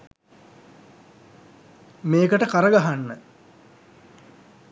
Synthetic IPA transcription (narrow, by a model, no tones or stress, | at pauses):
meːkəʈəkaɾəɡaɦanːə